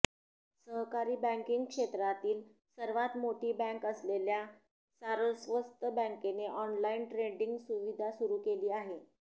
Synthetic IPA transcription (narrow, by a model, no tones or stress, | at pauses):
səɦkaɾiːbɛ̃ŋkiŋɡkʂet̪ɾat̪iːl | səɾʋat̪moʈiːbɛ̃ŋkəslelja | saɾəsʋəst̪əbə̃ŋkeneʔɔnlainʈɾeɖiŋɡsuʋid̪ʱasuɾuːkeliːaɦe